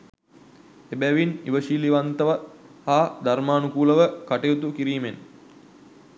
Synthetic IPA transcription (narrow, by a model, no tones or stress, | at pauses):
ebæʋiniʋəʃiːliʋant̪əʋahaːd̪aɾmaːnukuːləʋəkaʈejut̪ukiɾiːmen